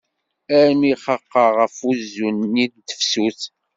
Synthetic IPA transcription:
æɾmiχəqːɑʁəfuzːunːidd̪ə̥fsuθ

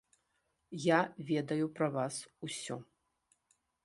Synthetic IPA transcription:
javʲɛd̪ɐjupɾɐvasusʲɔ̰

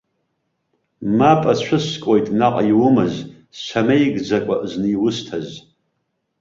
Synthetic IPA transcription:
mapʼat͡ɕʷʰʊskʷʼojtʼnaqʼajiwʊmɨz | sʷamejɡd͡zakʷʼa̰ʔznɨːwʊstʰaz

